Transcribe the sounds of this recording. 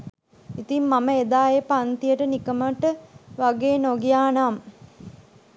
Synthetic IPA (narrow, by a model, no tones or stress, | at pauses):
it̪imːaməed̪aːjepant̪ijəʈənikəməʈəʋaɡeːnoɡijaːnam